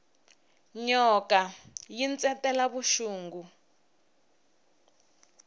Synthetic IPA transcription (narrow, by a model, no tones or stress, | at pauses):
ɲɔkajint͡sɛtɛlaβuʃuːŋɡu